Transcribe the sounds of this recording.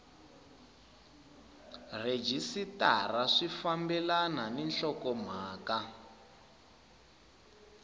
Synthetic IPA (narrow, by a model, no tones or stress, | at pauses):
red͡ʒisitaraʂifambɛlananinɬɔkɔm̤aːka